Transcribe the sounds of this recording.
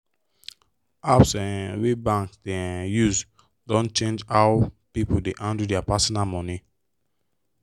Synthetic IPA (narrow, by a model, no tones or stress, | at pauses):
apsɛ̃nwebãŋksdɛjus | dɔ̃nt͡ʃẽnd͡ʒawpipodeʔãndudɛapasɔnalmɔ̃ni